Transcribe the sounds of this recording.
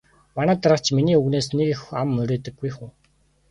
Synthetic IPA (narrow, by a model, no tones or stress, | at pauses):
manæːt̪aɾə̆χt͡ɕʰminiːuɣneːsnekexamːɵɾʲeːt̪ɘ̆ɡːujxuː